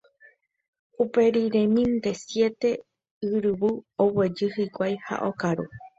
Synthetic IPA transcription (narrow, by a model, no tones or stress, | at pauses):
upe̞ɾiɾẽmĩnd̪e̞sje̞t̪e̞ | ɨɾɨβuowe̞d͡ʒɨhɨkʷajha̰ʔokaɾu